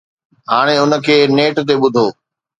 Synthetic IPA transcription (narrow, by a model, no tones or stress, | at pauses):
ɦaːɽ̃eʊnə̆kʰeːneːʈt̪̬eɓʊd̪ʱoː